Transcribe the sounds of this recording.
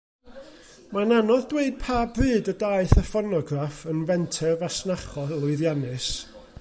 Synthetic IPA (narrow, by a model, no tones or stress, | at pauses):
mananɔðdweɨd̚pʰaːbrɨːdədaɨθəfɔnɔɡrafənvɛntʰɛrvasnaχɔlˠʊɨðjanɨs